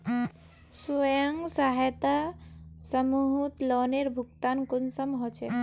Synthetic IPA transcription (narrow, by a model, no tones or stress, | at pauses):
sujəŋɡsaɦjt̪asəmuɦut̪lɔːneɾbʱukt̪ankunsəmɦot͡ʃʰe